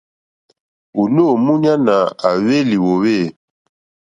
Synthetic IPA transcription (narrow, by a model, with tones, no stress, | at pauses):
u˨no˦˨mu˦ɲa˦na˨a˨βe˦li˨wo˨we˦˨